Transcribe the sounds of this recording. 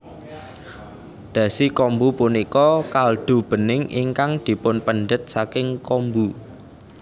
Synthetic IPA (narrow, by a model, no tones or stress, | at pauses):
d̪̥ä̤sikɔmbupunikɔkald̪̥o̤b̥ə̤nɪŋʔḭŋkaŋd̪̥i̤pʊnpənɖət̪̚sakɪŋkɔmbu